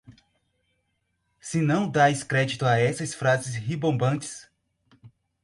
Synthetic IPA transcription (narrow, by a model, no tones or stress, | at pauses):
sɪnɐ̃w̃d̪ajskɾɛd͡ʒit̪ʊaɛsɐsfɾazɪsɦibõbɐ̃t͡ʃɪ̥s